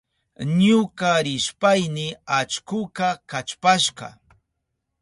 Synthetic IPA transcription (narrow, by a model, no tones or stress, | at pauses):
ɲʊkaɾɪʃpajnɪat͡ʃkʊkakat͡ʃpaʃɢɑ̰